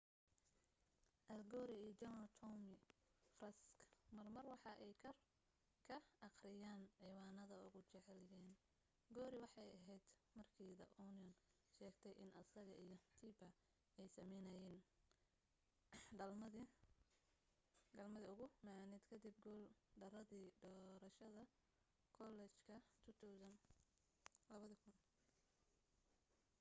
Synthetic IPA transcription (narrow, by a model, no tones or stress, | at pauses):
ʔɐlɡɔːɾɪijt͡ʃɐmɐlt̪ʰɔmɪfrɐskmɐrmɐrwɑħɑʔɛjkʰɐr | kʰɐɑqrɪjaːnʕiːwaːnɐðɐʊɣʊt͡ʃɛʕɛljɛːn | ɡɔːɾɪwɑħɑjɐɦɛjd̪̥ | mɐrkʰiːðɐʔɔnjɔn | ʃɛːɡt̪ʰɛjʔɪnʔɐsɐɣɐʔijɞt̪ʰiːbɐ | ɛjsɐmɛjnɐjɛːn | ɖɐmɐ | ɖɐlmɐðiʊɣʊmaːnɪd̪kʰɐd̪ɪb̚ɡɔːlɖɐrɐðiːd̪ɔːɾɐʃɐðɐ | kʰɔlɛt͡ʃkʰɐt̪ʰʊt̪ʰɔwsɐn | lɐβɐðɐkʰʊn